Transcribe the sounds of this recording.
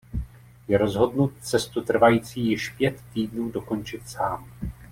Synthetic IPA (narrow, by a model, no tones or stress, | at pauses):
jɛɾo̞zɦo̞dnut̪̚t͡sɛst̪ut̪r̩vajiːt͡siːjɪʃpjɛt̪ːiːdnuːdo̞ko̞nt͡ʃɪt̪saːm